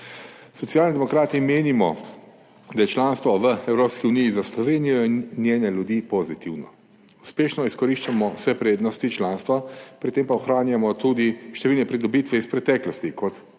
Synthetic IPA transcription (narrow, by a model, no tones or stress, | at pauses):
sɔt̪siaːlnid̪ɛmɔkɾaːt̪imeːnimɔ | d̪ajɛt͡ʃlaːnst̪ʋɔʋəɛwɾoːpskiunijizaslɔʋeːnijɔinnːjeːnɛljud̪iːpozit̪iwnɔ | uspeːʃnɔiskɔɾiʃt͡ʃamɔwsɛpɾeːd̪nɔst̪it͡ʃlaːnst̪ʋapɾit̪empaɔxɾaːnjamɔt̪ud̪iʃt̪ɛʋilnɛpɾid̪ɔbit̪ʋɛispɾɛt̪ɛːklɔst̪ikɔt̪